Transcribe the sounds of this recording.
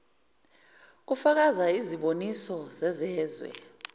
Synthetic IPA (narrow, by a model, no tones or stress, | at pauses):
k̬ufak̬azaiziɓonisɔzɛzɛːzwɛ̰